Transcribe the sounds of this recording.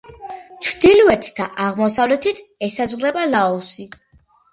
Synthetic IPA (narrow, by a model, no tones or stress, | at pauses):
t͡ʃʰd̪̥ilvɛt̪ʰd̪aʔaʁmɔsavlɛt̪ʰit̪ʰɛsazʁɾɛbalaɔsi